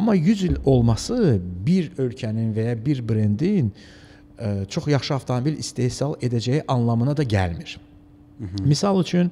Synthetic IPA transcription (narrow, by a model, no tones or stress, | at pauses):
ɑmːɑjyzilʲo̞lˠmɑsɯbiɾø̞lʲcʰæninvæjɑbiɾbɾend̪in | t͡ʃʰo̞χjɑχʃɯɑft̪ʰomobilist̪e̞hsɑlˠe̞d̪æd͡ʒæjiʔɑnlˠɑmɯnɑd̪ɑɟæ̰lmiɾ̥ | misɑlˠyt͡ʃʰyn